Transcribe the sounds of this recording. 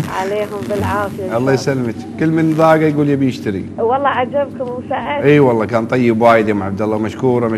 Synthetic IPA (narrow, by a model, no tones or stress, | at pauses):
ʕaleːɦʊmbɪlʕaːfɪjaʔɑlˤːɑːjsalːmɪt̪kɪlːmɪnðˤɑːɡajɡuːlibjɪʃt̪aɾḭwɑlˤːɑʕad͡ʒabkʊmsaʔʔiːwɑlˤːɑːkaːnt̪ˤɑjːɪbwaːjɪd̪amaʕab̚d̪ɑlːɑmaʃkuːɾˤɑma